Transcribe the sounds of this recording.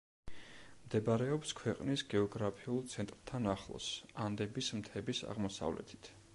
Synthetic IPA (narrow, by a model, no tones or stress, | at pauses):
md̪ɛbaɾɛɔpskʰwɛqʼnisɡɛɔɡɾapʰiulˠt̪sʰɛnt̪ʼɾt̪ʰanaχlˠɔ̰sand̪ɛbismt̪ʰɛbisa̰ʁmɔsa̰vlɛ̰t̪ʰi̥t̪ʰ